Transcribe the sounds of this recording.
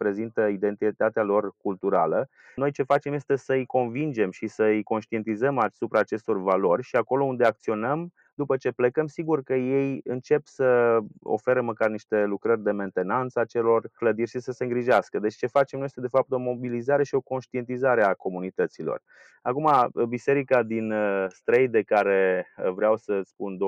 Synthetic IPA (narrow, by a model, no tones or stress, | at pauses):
pɾe̞zint̪əid̪e̞nt̪it̪at̪ealo̞rkult̪uɾa̰lə | no̞jt͡ʃe̞fat͡ʃe̞mje̞st̪e̞səɨjko̞nvind͡ʒe̞mʃisəɨjko̞nʃt̪ie̞nt̪izəmasupɾaːt͡ʃe̞st̪o̞rvalo̞rʲʃiako̞lo̞und̪eak̚t̪sio̞nəm | d̪upət͡ʃe̞plekəmsiɡurkəje̞jɨnt͡ʃe̞psəo̰fe̞ɾəməkarniʃt̪e̞lukɾərʲd̪e̞me̞nt̪e̞nant̪səat͡ʃe̞lo̞rkləd̪irʲʃisəse̞ɨŋɡɾiʒaskəd̪e̞t͡ʃʲt͡ʃe̞fat͡ʃemnojest̪ed̪e̞fap̚t̪o̞mo̞bilizaɾe̞ʃio̞ko̞nʃt̪ie̞nt̪izaɾeako̞munit̪ət̪silo̞̰r | akumabise̞ɾikad̪inəst̪ɾejd̪e̞kaɾe̞vɾeawsəspund̪o